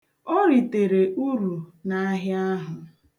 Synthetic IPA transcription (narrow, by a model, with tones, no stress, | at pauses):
o˦ɾi˨te˨ɾe˨ʔu˦ɾu˨na˦ɦja˦ɦʊ˨